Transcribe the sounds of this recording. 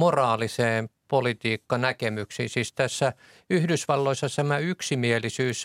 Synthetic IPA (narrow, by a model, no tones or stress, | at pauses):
morɑːliseːmpolit̪iːkːɑnækemyksisist̪æsːæ | yhdysʋɑlːoisːɑt̪æmæyksimielisyːs